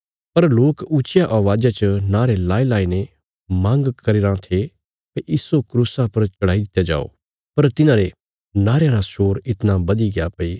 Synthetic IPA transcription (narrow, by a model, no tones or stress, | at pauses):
pɐɾloːkʊt͡ʃɪjaʔaʋaːd͡ʒat͡ʃənaːɾelaːelaːine | mãːŋɡkɐɾiɾãt̪ʰe | kɐjiːsokɾuːsapɐɾt͡ʃɐɽ̤aːid̪ɪt̪ːjad͡ʒa̰ːo̰ | pɐɾt̪ɪnãːɾe | naːɾjãɾasoːɾɪt̪nabɐd̪iɡɪjapɐiː